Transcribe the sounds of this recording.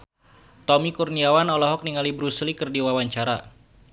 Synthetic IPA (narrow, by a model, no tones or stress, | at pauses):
t̪ɔmikurniawanɔlɔɦɔk̚niŋalibɾuslikɨrdiwawaɲt͡ʃaɾa